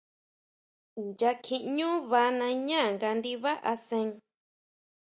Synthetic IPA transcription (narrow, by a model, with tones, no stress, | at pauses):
nja˧kʰĩ˧ʔɲũ˦βa˧˦nã˧ɲã˦˨ŋɡa˧nd̪i˧βa˦ʔa˧sẽ˧ŋ